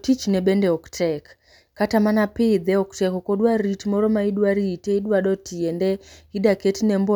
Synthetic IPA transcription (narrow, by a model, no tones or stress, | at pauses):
tit͡ʃnɛɓɛndɛɔktʰɛkː | atamanapɪðɛɔktɛkɔkɔɗwaɾitmɔɾɔmaiɗwaɾitɛiɗwaɗɔtiɛndɛidaketinɛmbɔ